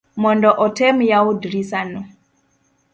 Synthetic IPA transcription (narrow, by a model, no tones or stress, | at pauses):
mɔndɔʔɔtʰɛmjaudɾisanɔ